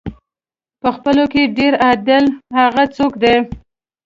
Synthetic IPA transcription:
pəxpəlokeɖeɾad̪ɪlhaɣat͡sokd̪e

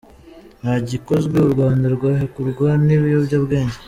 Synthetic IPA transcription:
naɟiko̞zɡweuɾɡwaːndaɾɡwaːhekuɾɡwaniβijobɟabɡe̞ːɲɟe

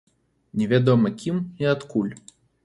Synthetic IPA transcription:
nʲɛvʲad̪ɔmɐkʲimiat̪kulʲ

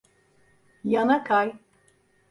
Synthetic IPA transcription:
janakʰaj

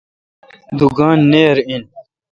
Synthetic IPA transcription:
d̪uɡaːnːeːɾin

